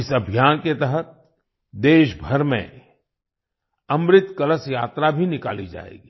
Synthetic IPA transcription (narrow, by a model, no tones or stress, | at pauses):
ɪsɐbʱjaːnket̪əɦət̪̚ | d̪eːʃbʱɐɾmḛ̃ | ɐmɾɪt̪kɐləsjaːt̪ɾabʱinɪkaːlid͡ʒa̰ːḛːɡiː